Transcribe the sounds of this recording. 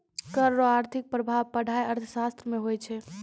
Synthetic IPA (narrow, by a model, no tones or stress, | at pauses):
kəɾːoaɾt̪ʰik̚pɾəbʱaʋpəɽ̤ʱajəɾt̪ʰəsast̪ɾəmeɦojt͡ʃʰɛ